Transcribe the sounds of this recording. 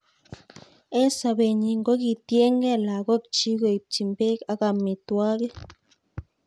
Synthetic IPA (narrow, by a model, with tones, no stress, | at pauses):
e˦sa˧be˨ɲi˧ŋɡo˦ɡi˧t̪je˦ŋɡe˦˨la˨ɡo˦k̚t͡ʃi˦ɡe˨jp̚t͡ʃi˨mbe˦ka˦ɡa˧˨mi˨t̪wa˦ɡe˦